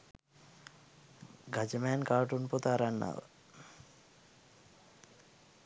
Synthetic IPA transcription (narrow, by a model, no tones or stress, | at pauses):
ɡad͡ʒəmæːnkaːʈunput̪aɾanːa̰ʋə